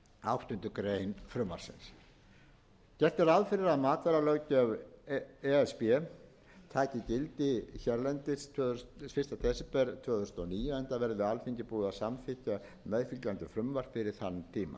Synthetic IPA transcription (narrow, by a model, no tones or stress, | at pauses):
awht̪ʏnt̪ʏkɾeːjnfɾʏmːa̰ɾ̥sɪ̰ns | cɛr̥t̪ɪɾaðfɪɾɪɾaðmaːt̪vɛɾalœɥcœv | ɛɛspɛ | t̪ʰaːjcɪcɪlt̪ɪçɛɾlɛnt̪ɪst̪fɪst̪at̪ʰɛːsɛpɛɾt̪ʰvœːθʏst̪ɔniːjʏɛnt̪avɛɾðɪalfiɲcɪpuːðasamfɪhca | mɛðfilc̪lant̪ʏfɾʏmvar̥fɪɾɪɾ̥θanːt̪ʰiːma̰